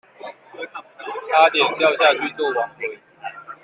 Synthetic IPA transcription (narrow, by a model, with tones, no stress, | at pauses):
t̪ʰa˦t̪jɛ˨˩npjɑ˥˧ʊɕja˥˧t͡ɕʰy˥˧t͡swɔ˥˨wɑ˨˦ŋkə˨˦˨